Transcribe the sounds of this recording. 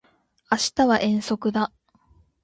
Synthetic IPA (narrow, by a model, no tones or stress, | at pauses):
aɕi̥t̪aβaʔẽ̞ɰ̃so̞kɯ̟d̪a